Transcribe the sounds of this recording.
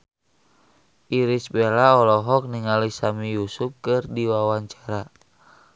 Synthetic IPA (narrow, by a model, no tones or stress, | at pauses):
ʔiɾisbelaɔlɔɦɔk̚niŋalisamijusup̚kɨrdiwawaɲt͡ʃḁɾa